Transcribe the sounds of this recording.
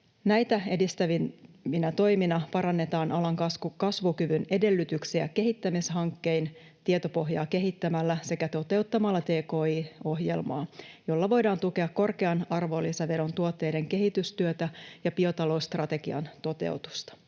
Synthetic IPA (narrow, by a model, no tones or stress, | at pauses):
næjt̪æe̞dist̪æʋinʋinæt̪o̞jminɑpɑɾɑnːe̞t̪ɑːnʔɑlɑŋkɑkɑsʋukyʋynede̞lːyt̪yksiæ̰ke̞ɦit̪ːæmisɦɑŋkːe̞in | t̪iet̪o̞po̞ɦjɑ̰ːke̞ɦit̪ːæmælːæse̞kæt̪o̞t̪e̞wt̪ːɑmɑlːɑt̪e̞ːko̞ːiːo̞ɦje̞̰lmɑ̰ːjolːɑʋo̞jdɑːnt̪uke̞ɑkːo̞rkeɑnɑrʋo̞lːiseʋe̞ɾo̞nt̪uot̪ːe̞jde̞ŋke̞ɦit̪yst̪yøt̪æjɑpio̞t̪ɑlo̞ust̪rɑt̪e̞ɡ̥iɑ̰nt̪o̞t̪e̞̰ut̪u̥st̪ɑ̥